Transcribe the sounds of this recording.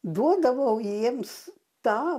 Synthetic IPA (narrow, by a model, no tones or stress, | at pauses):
d̪uɔd̪aʋɐwjiɛms | t̪aː